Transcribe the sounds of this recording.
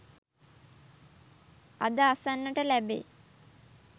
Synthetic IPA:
ad̪əasanːəʈəlæbḛː

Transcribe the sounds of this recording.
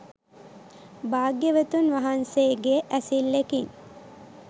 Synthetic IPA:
baːɡjəʋət̪unʋaɦanseːɡeʔæsilːekiŋ

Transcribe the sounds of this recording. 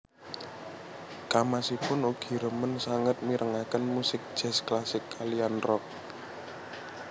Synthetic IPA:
kamasipʊnoɡ̥i̤ɾəmənsaŋət̪̚miɾʔəŋakənmusɪk̚d̥ʒ̥ɛ̤sklasɪkʰːalianrɔk̚

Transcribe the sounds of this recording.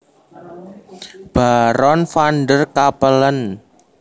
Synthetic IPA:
b̥aɾɔnfanɖərkapələn

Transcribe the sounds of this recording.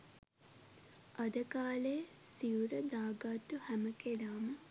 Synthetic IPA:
ʔɐd̪əkaːlejə | siuɾəd̪aːɡaːt̪ːuhæməkelaːmə

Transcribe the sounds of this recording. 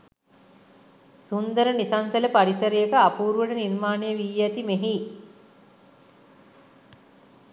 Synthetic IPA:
sund̪əɾənisansɐləpaɽisəɾijekəapuːɾuʋəʈənirmaːnejəʋiːjæt̪imeɦi

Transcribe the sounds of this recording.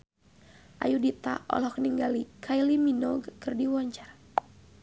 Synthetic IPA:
ʔa̰judit̪a̰ʔɔ̰lɔhkəniŋɡalikʰailiminɔɡkɨrdiwɔɲt͡ʃar

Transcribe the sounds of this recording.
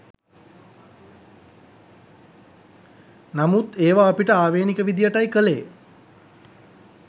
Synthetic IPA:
namut̪eːʋaːpiʈəaːʋeːnikəʋid̪ijəʈajkəlḛː

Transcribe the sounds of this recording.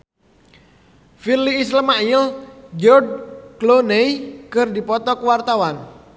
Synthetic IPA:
filiːsləmajəld͡ʒɔrd̚klonejkərdipɔt̪ɔkəwart̪awan

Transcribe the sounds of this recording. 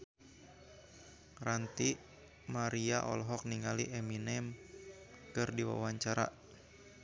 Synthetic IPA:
rant̪i | maɾiaʔɔ̰lɦɔk̚niŋaliʔɛminɛm | kɨrdiwa̰waɲt͡ʃaɾa̰

